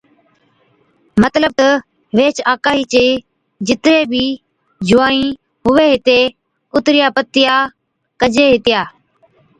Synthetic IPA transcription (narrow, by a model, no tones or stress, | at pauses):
mət̪ləb̚t̪ə | ʋeːt͡ʃaːkaːɦiːt͡ʃeː | d͡ʒɪt̪ɾeːbʱiː | d͡ʒʊaːĩː | ɦʊʋeːɦɪt̪eː | ʊt̪ɾɪjaːpət̪ːɪjaː | kəd͡ʒeːɦɪt̪ɪjaː